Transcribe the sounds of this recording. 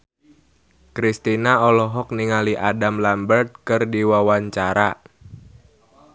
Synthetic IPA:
kɾist̪inaɔlɔɦɔk̚niŋaliʔadamlambərt̪̚kɨrdiwawaɲt͡ʃaɾa̰

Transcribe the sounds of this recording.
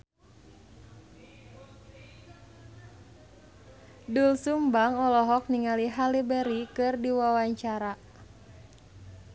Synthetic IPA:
dulsumbaŋɔlɔɦɔk̚niŋaliɦalibɛɾikɨrdiwawaɲt͡ʃaɾa

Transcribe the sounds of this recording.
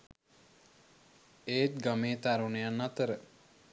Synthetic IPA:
eːt̪̚ɡameːt̪aɾunejanːat̪əɾə

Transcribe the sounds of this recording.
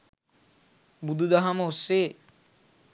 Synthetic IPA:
bud̪ʱud̪aɦamoose

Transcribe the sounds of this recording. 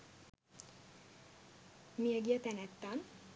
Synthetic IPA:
miɛɡjɛt̪ɛnɛt̪ːɑn

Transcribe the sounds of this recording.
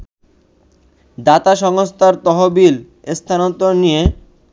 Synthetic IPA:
d̪at̪aʃɔŋost̪ʰaɾt̪ɔɦobil | est̪ʰanot̪onije

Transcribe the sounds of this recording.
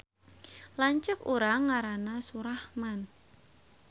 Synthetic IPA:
laɲt͡ʃəkuɾaŋːaɾanasuɾahman

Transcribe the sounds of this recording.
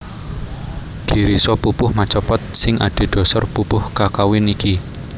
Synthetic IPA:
d̪̥i̤ɾisɔpupʊhmat͡ʃɔpɔt̪̚sɪŋʔa̰ɖ̥e̤d̪̥ɔ̤sɔrpupʊhkakawɪniki

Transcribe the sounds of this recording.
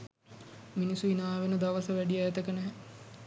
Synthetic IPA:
minisuinaːʋenəd̪aʋəsəʋæɖijəæt̪əkənɛɦɛ

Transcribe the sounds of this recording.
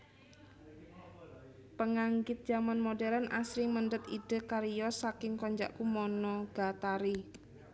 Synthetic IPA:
pəŋaŋɡɪt̪̚d̥d͡ʒamanmodɛɾanʔasɾɪŋməɳɖət̪id̥ə̤kaɾijɔsakɪŋkɔɲd͡ʒa̰ʔkumɔnɔɡ̥at̪aɾi

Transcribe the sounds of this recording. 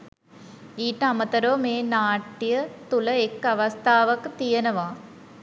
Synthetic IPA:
iːʈɐmɐt̪ɐɾoːmeːnaːʈːijɐt̪ulɐekːɐʋɐst̪ʰaːʋɐkt̪ijɐnɐʋaː

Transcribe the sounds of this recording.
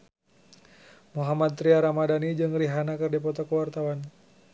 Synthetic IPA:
muɦamad̪̚t̪ːɾiaɾamadanid͡ʒɨŋɾiɦanakɨrdipɔt̪ɔkəwart̪awan

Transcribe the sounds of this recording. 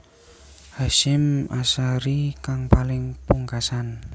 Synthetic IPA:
haʃɪmasaɾikaŋpalɪŋpuŋkasan

